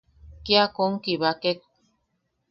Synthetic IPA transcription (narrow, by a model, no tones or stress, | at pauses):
kiakoŋkiβakek̚